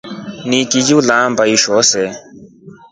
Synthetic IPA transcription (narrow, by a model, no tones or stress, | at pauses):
nikid͡ʒulãːmbɐiʃoːse